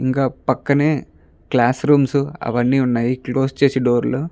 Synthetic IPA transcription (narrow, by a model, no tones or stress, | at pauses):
iŋkaːpɐkːɐneː | klaːsɾuːmsuɐ̰ʋɐnːiːunːaːjiklo̞ːst͡ʃe̞ːsiɖo̞ːɾlu